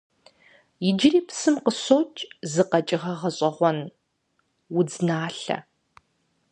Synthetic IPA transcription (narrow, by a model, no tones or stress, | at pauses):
jɪd͡ʒɪriːpsɨmqəɕoːt͡ʃʼzɨqɐt͡ʃʼɪʁɐʁɐɕʼɐʁʷɔn | wʊd͡znaːɬɐ̰